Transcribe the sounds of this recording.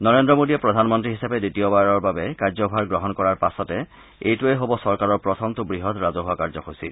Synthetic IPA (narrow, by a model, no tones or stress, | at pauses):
nɔɹendɹɔmodiɛpɹɔdʱanmɔntɹiɦisapɛditiɔbaɹɔɹbabɛkaɹzɔbʱaɹɡɹɔɦɔnkɔɹaɹpasɔtɛ | ejtueɦobɔsɔɹkaɹɔɹpɹɔtʰɔmtʊbɹiɦɔtɹazɔɦʊwakaɹzɔxojsil